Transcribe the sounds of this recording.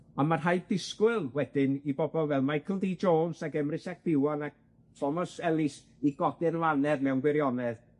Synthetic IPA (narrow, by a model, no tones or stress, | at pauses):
amarɦajb̚dɪskwɪlˠwɛd̥ɪnibɔbɔlˠvɛlˠmajkʰəlˠdiːd͡ʒoːnsakɛmrɪsak̚b̥ɪwanak̚ | tʰɔmɔsɛlˠɪs | iɡɔɡɪnlanɛðmɛwnɡwɪɾjɔnɛð